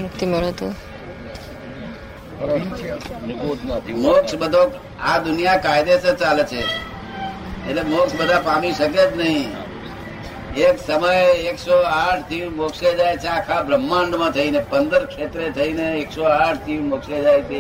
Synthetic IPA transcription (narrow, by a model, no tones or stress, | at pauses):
mʊkt̪iməɾot̪u | t̪moksbəd̪ʱok | ad̪ʊnijakajd̪esət͡ʃalet͡ʃʰe | etlemoksbəd̪ʱapamiʃəket͡ʃnəɦĩ | eksəməjeksoaʈʰt̪iɾmokʃed͡ʒajt͡ʃʰeakʰabɾəmːãɳɖmãt̪ʰəinepənd̪əɾkʃet̪ɾet̪ʰəineːksoaʈʰt̪imokʃed͡ʒajt͡ʃe